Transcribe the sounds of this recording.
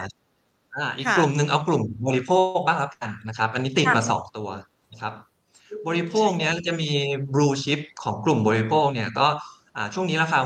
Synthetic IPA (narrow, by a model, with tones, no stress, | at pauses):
ʔaː˧˩ʔiː˨˩kːlu˨˩mnɯ˨˧ŋʔa˧wklu˨˩mbɔː˧li˦˥pʰoː˥˩k̚baː˥˩k̪ʰa˦˥ka˧nːa˦˥kʰa˦˥p̚ʔa˧nːiː˦˥t̪i˨˩t̪̚maː˧sɔ̰ː˩˦ŋt̪u˧ɐ | na˦˥kʰa˦˥p̚ | bɔː˧ɾi˦˥pʰoː˥˩k̚ni˦˥ɐ˩t͡ɕa˨˩miː˧bɾuː˧t͡ɕʰi˦˥p̚kʰɔː˩˦ŋklu˨˩mbɔː˧ɾi˦˥pʰoː˥˩k̚ni˥˩ɐkɔː˥˩ | ʔaː˨˩t͡ɕʰu˥˩əŋniː˦˥laː˦˥kʰaː˧